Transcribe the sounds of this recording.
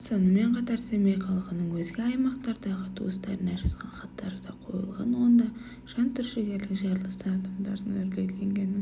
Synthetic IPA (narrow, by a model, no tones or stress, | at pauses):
so̞nəme̞ɴqʰɑt̪ɑɾse̞mejqʰɑlˠqənəɴwɵzɡʲɪɑjmɑqt̪ɑɾd̪ɑʁət̪ʰṵəst̪ɑɾənɑʒɑsqɑnχɑt̪ːɑɾəd̪ɑqʰo̞̰jə̰lˠʁɑ̰nwo̞nd̪ɑ | ʒ̥ɑnt̪ʰʏɾʃɪɡʲe̞ɾlɪkʒɑɾlˠəsəɑd̪ɑmd̪ɑɾənʏɾɡʲejleŋɡʲe̞n